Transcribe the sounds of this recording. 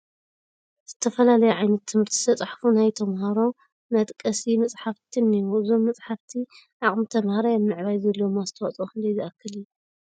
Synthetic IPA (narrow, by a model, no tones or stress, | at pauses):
z̥ɨt̪ʰɐfɐlalɐjuʕajnɐt̪ʰːɨmhɨɾt̪ʰi̥sʰɐt͡sʼħfunajt̪ʰɐmhaɾo̞ | mɐt̪ʼkʼɐsimɐt͡sʼħaft̪ʰinːijuɨzo̞mːɐt͡sʼħaft̪ʰi | ʕaχʼmɨt̪ʰɐmhaɾajamːɨʕβajzɐlːoomazɨt̪ʰɐwɐ̰t͡sʼoxɨnd̪ɐjziʔakːɨlɨjːu